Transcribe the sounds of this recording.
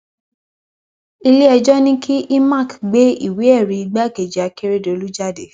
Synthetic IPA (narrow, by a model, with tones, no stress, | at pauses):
i˧le˦ɛ˧d͡ʒɔ˦nĩ˦kʰi˦ʔi˦ma˦˨kɡ͡be˦ḭ˦˨we˨˦ɛ˦˨ɾi˧˦i˧ɡ͡ba˦˨ke˨d͡ʒa˨ke˦ɾe˦˨do˨˧lu˦d͡ʒa˦˨de˨˦